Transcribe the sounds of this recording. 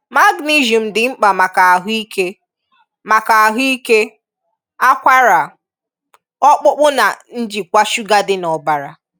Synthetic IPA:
ma˦ɡni˦ʒu˨m̩˨dɪ˨ŋ͡m̩˦k͡pa˨ma˨ka˨a˨ɦi˦ke˦ | ma˨ka˨a˨ɦi˦ke˦ | a˦kʷa˦ɾa˨ | ɔ˦k͡pʊ˦k͡pʊ˦na˨n̩˦d͡ʒi˨kʷa˦ʃu˦ɡa˦dɪ˦nɔ˨ba˨ɾa̰˨

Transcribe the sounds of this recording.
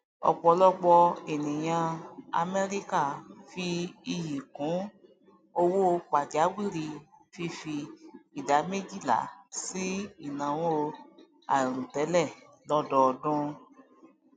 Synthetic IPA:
ɔ̰˨k͡pɔ˧˦lɔ˦k͡pɔ˧e˨nĩ˨j̃ã˧a̰˧me˧ɾi˦ka˦˨fi˧i˧ji˨kũ˨˦ | o˧wo˦˧k͡pa˨d͡ʒa˨˦ɡ͡bi˦˨ɾi˧fi˧fi˧i˨da˨˦me˦d͡ʒi˦˨la̰˨˦si˦i˦˨nã˨w̃ɔ̃˦˧ | a̰˨ɾũ˨tɛ˨˦lɛ˦˨ | lɔ˦dɔ˧dũ˦

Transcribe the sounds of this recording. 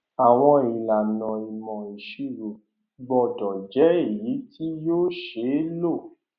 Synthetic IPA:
a˨w̃ɔ̃˧i˨la˨nɔ̃˨i˨mɔ̃˨i˨ʃi˦ɾo˨ | ɡ͡bɔ˧˨dɔ˨d͡ʒɛ˨˦i˦˨ji˨˦tʰi˦joː˦ʃe˨˦lo˦˨

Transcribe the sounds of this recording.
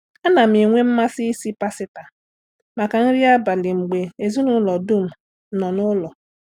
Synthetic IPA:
a˦na˨m̩i˨ŋʷe˦m̩˦ma˦si˦si˦pa˦sɪ˦ta˨ | ma˨ka˨n̩˦ɾi˦a˦ba˨lɪ˨ŋ͡m̩˨ɡ͡be˨e˨zi˦nʊ˦lɔ˨du˦m̩˨ | nɔ˨nʊ˦lɔ˨

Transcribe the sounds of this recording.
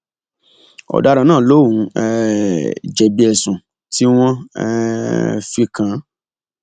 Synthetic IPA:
ɔ̰˨da˨˦ɾa˧nãː˦˨lo˦˨wũ˨˧ɛ˧ | d͡ʒɛ˨bi˧ɛ˨sũ˨ | ti˦w̃ɔ̃˦ɛ̰˦ | fi˧kʰã˧˦

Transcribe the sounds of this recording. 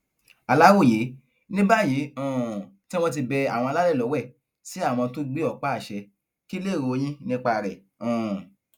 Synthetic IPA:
a˨la˦wo˦˨je˨˦ | nĩ˦ba˦˨ji˨˦ɔ̃˨ti˦w̃ɔ̃˦t̬i˧bɛ˧a˨w̃ɔ̃˧la˦lɛ˦˨lɔ˨˦wɛ˦˨ | si˦a˦˨w̃ɔ̃˧to˦ɡ͡bi˦ɔ˦˨k͡pa˦˨ʃɛ˧ | ki˦le˦˨ɾo˧j̃ĩ˦nĩ˦k͡pa˧ɾɛ̰˨ | ɔ̃˨

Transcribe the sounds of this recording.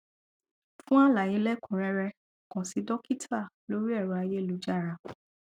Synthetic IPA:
fũ˦a˦la˨jẽ˨˧˦lɛ˦kʰũ˨ɾɛ˧ɾɛ˧ | kɔ̃˨si˧dɔ˦ki˦tʰa˦˨lo˦ɾi˦ɛ˦˨ɾɔ˨a˧je˦˨lu˨˦d͡ʒa˦˨ɾa˧

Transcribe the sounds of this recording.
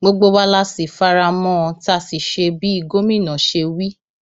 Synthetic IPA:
ɡ͡bo˧ɡ͡bo˧wa˦la˦si˨fa˦ɾa˧mɔ̃˦˧ta˧˦˨si˨ʃe˧bi˨˦i˦˨ɡo˦mĩ˦˨nã˨˦ʃe˧wi˦

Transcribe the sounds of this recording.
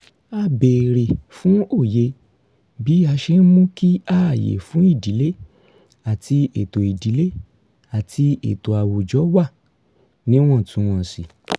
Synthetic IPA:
a˧be˨ɾe˨fũ˨˦o˦˨je˧ | bi˨˦a˧ʃe˧˦n̩˦mũ˦ki˦a˦˨jḛ˨fũ˨˦i˦˨di˨˦le˦ | a˦˨tʰi˧e˨to˨i˨di˨˦le˦˨ | a˨tʰi˧ḛ˨to˨a˨wo˨d͡ʒɔ˨˦wa˦˨ | nĩ˦w̃ɔ̃˦˨tũ˨˧˦w̃ɔ̃˧˨si˨

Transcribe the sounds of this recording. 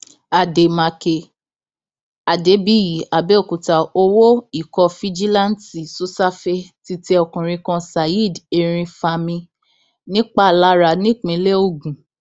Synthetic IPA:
a˨de˨mã˨˧ke˧ | a˨de˨˦bi˨˦ji˨˦a˨be˦o˦˨ku˨ta˨o˧wo˦i˨kɔ˧fi˦d͡ʒi˦lã˦n˦ti˨su˦sa˦fe˧ti˧tɛ˧˦ɔ˧kũ˨ɾ̃ĩ˧kɔ̃˧sa˨ji˦˨de˨ɾ̃ĩ˧fa˧mĩ˧ | nĩ˦k͡pa˦˨la˨˦ɾa˧˨nĩ˦˨k͡pĩ˨˦le˦o˦˨ɡũ˨

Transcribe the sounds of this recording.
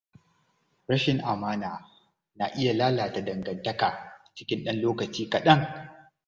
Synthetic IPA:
ɾɐ˦ʃɪ˨ŋʔa˨maː˦naː˨ | na˨ʔɪ˦ja˨laː˦laː˨ta˨dɐ˨ŋɡɐ˨ntɐ˦kaː˨t͡ʃɪ̥˦kʲɪ˦nɗɐ˦nloː˦kɐ˨t͡ʃiː˦kɐ˨ɗɐ˦ŋ

